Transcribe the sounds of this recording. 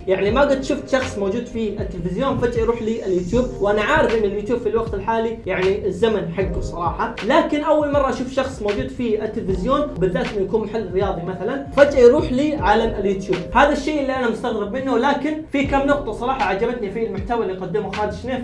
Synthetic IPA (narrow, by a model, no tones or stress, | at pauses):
jaʕnimaɡʊd̪̚t̪ʃʊft̪ʃɑxsˤmoːd͡ʒuːd̪fiɪt̪ːɪlfɪzjoːnfad͡ʒʔajɾuːħliːʔɪljuːt̪juːb̚wʔanaʕaːɾɪfʔɪnːɪljuːt̪juːb̥filwɑqt̪ɪlħaːlijaʕniʔɪzːamanħaɡːʊsˤɑɾˤɑːħɑlaːkɪnʔawːalmɑrˤːɑʔaʃuːfʃɑxsˤmoːd͡ʒuːd̪fiɪt̪ːɪlfɪzjoːnbɪðːaːʔt̪ʔɪnːʊjakuːnmʊħalːɪrːɪjɑːðˤimaθalanfad͡ʒʔajɾuːħliːʕalaɪljuːt̪juːb̚haːðaʃːeːʔɪlːiʔanamʊst̪aɣɾɪbmɪnːʊlaːkɪnfikamːnʊqt̪ˤɑsˤɑɾˤɑːħɑʕad͡ʒabat̪nifilmʊħt̪aːwalːijqad̪ːɪmʊxaːɾɪdd͡ʒɪʃneːf